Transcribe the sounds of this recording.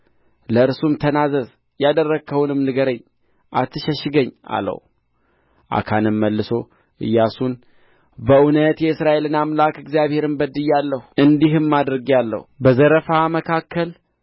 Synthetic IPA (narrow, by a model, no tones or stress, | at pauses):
ləɨɾsumt̪ʰənazəz | jad̪ərːəɡʰəwnɨmnɨɡəɾəɲː | ʔat̪ʰːɨʃəʃɨɡəɲːa̰lə̰w | ʔa̰kʰanɨmːəlːɨso̞ | ʔɨ̰jːasun | bəʔunət̪jɛɨsɾaʔe̞lɨnamlakɨɡzijaβhe̞ɾɨmbəd̪ɨjːalːəhuɨnd̪iɦɨmːad̪ɾɨɡialːə̰hbəzəɾəfaməkʰakʰːəl